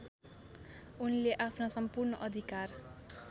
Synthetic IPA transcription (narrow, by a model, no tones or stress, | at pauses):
unleʔapʰnasʌmpurnʌʔʌd̪ʱikar